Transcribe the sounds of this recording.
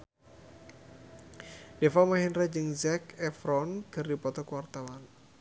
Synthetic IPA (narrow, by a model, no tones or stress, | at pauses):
d̥efamaɦinɾad͡ʒɨŋzɛkɛfɾɔnkɨrdipɔt̪ɔkəwart̪awan